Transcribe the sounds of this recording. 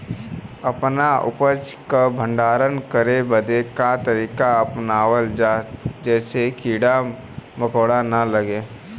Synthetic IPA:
əpnaʊ̰pət͡ʃkabʱə̃ɳɖaːɾənkəɾebəd̪ekat̪əɾiːkaɐpnaːwəld͡ʒaːd͡ʒɛːsekʰiːɽa | məkəːɽanɐləɡeː

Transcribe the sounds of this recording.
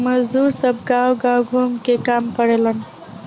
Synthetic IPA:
mɐzd̪uːɾsɐb̚ɡawɡawɡʱumkekaːmpəɾelən

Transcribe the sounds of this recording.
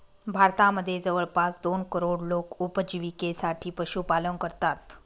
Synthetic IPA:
bʱaɾt̪aməd̪ʱːjed͡zəʋəɭpasd̪onkəɾoɽlokupəd͡ʑiʋikesaʈʰiːpəɕuːpalənkəɾt̪at̪

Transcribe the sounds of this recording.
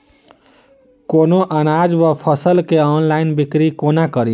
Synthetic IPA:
konoʔənad͡ʒbapʰəsəlkeɔnlaɪnbikɾikonakəɾi

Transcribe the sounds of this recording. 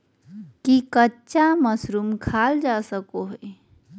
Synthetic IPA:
kikətːt͡ʃaməsɾumkʰaːld͡ʒasəkoɦe

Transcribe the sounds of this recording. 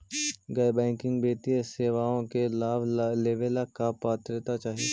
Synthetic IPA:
ɡɐjbɛ̃ːŋkɪ̃ŋɡbeːt̪ieseːʋaːõkelaːbleːʋelakapaːt̪ɾet̪at͡ʃaːɦie

